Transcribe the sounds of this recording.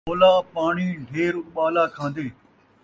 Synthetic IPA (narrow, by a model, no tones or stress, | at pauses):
oːlaːpaːɳiːɖʱeːɾɓaːlaːkʰãːn̆d̪eː